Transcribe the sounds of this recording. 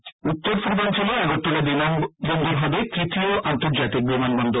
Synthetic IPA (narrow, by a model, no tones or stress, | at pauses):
ut̪ːoɾpuɾd̪ʱant͡ʃʰiloɛɡɔt̪ːulad̪inambɔnd̪ʱoɾɦɔbek̪ɾit̪ioʔant̪oɾd͡ʒat̪ik̚bimanbɔnd̪o